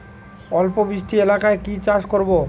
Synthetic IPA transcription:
ɔlpobɾiʃʈʰielakaekit͡ɕaʃkoɾbo

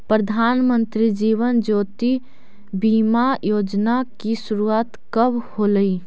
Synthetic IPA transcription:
pɾəd̪ʱaːnmə̃nt̪ɾid͡ʒiːʋənd͡ʒoːt̪i | biːmajoːd͡ʒnakisʊɾuaːt̪kəbhoːləi

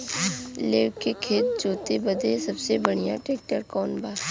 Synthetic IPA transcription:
leːʋkekʰeːt̪̚d͡ʒoːt̪ebɐd̪esɐbsebɐɽ̤ija̰ʈɾeːk̚ʈəɾkɔːnbaː

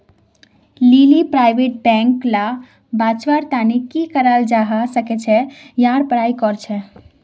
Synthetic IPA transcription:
lilipɾajbeʈ̚bɛ̃ŋkla | bat͡ʃʋaɾt̪anikikəɾald͡ʒaɦasəkɛt͡ʃʰɛjãɾpəɾajkɔɾt͡ʃʰɛ

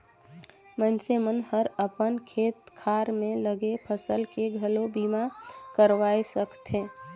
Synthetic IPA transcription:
mənsemənhəɾəpənkʰeːt̪kʰaːɾmẽləɡepʰəsəlkeɡʱəlobiːmakəɾʋaːesəkt̪ɦẽː

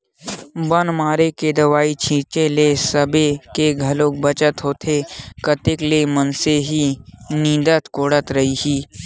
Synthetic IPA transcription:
bənmaːɾeked̪ɐʋaːit͡ʃʰĩːt͡ʃelesəbekeɡʱɐlõk̚bət͡ʃət̪ɦoːt̪ʰekət̪eklemənseɦinĩːd̪ət̪koːɽət̪ɾɐɦiɦiː

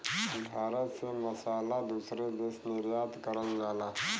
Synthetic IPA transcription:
bʱaːɾət̪seməsalad̪usɾed̪esd̪əɾjad̪kəɾəld͡zala

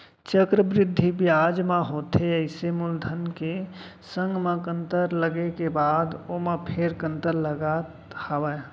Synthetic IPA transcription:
t͡ʃəkɾəbɾɪd̪ʱːibjaːd͡ʒmãɦoːt̪eəɪsemʊld̪ʱənke | sə̃ŋɡmãkə̃nt̪əɾləɡekebaːd̪omãpʰeɾkə̃nt̪əɾləɡat̪hawə

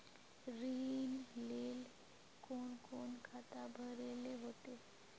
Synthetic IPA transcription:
ɾinleːl | koːnkoːnkʰat̪abʱəɾeleɦot̪e

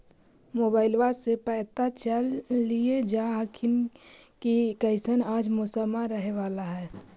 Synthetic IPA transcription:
moːbaːɪlʋasepɛːt̪at͡ʃəlːied͡ʒaɦakʰɪn | kikəɪsənaːd͡ʒmosəmaɾəɦeʋaːlaɦɛː

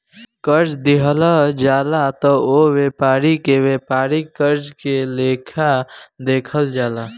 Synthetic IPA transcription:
kəɾd͡ʒd̪ɪɦlad͡ʒaːlat̪ɔoweːpaːɾikeweːpaːɾikəɾd͡ʒkeleːkʰad̪eːkʰəld͡ʒaːlaː

